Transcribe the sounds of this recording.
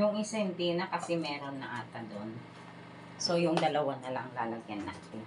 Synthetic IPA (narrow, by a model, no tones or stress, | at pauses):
jʊŋʔɪsɐɛnt̪iːnɐkɐsɛmɛːɾo̞nːɐʔaːt̪ɐd̪o̞n | so̞jʊŋd̪ɐlɐwanɐlaʔɐŋlaːlɐɡjanʔa̰t̪ɪ